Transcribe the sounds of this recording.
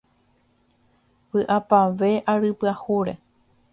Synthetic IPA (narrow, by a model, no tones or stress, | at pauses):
pɨʔapaʋe̞ʔaɾɨpɨahuɾe̞̰